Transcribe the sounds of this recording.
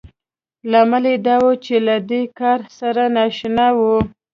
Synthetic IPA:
lamaled̪ɑwot͡ʃelad̪ekɑɾsaɾanaʃnawu

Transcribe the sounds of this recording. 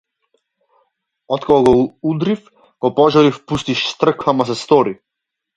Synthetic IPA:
ɔt̪kakɔɡɔud̪ɾif | ɡ̥ɔpɔʒɔɾifpust̪iʃst̪r̩kvamasɛst̪ɔɾi

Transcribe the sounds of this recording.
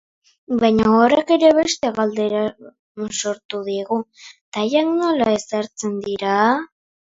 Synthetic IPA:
bajɲaoɾeke̞ɾe̞βe̞st̪e̞ɣald̪e̞ɾa | so̞ɾt̪uðieɣut̪ajakno̞lae̞saɾt͡se̞nd̪iɾa

